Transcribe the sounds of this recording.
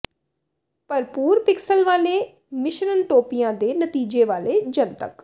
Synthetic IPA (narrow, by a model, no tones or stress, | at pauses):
pəɾpuːɾpɪksəlʋaːleː | mɪʃɾənʈoːpijãːd̪eːnət̪iːd͡ʒeːʋaːleːd͡ʒənt̪ə̰k